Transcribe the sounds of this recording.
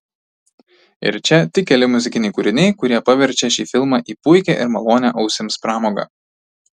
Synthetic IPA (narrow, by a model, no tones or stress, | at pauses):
ɪ̰ɾt͡ʃʲɛt̪ʲɪkʲɛlʲɪmʊzʲɪkʲɪnʲɛɪkʊːɾʲɪnʲɛɪkʊɾʲiɛpɐʋʲɛɾʲt͡ʃʲɛʃʲiːfʲɪlˠmɑʔiːpʊɪkʲɛ̰ˑʔɪ̰ɾmɐlˠoːnʲɛʔɐʊsʲɪmspɾɑːmoːɡɑ̰ː